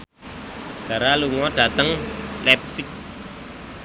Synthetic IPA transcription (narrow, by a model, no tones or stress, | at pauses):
ɡ̥a̤ɾaluŋɔɖ̥a̤t̪əŋlɛp̚sɪk̚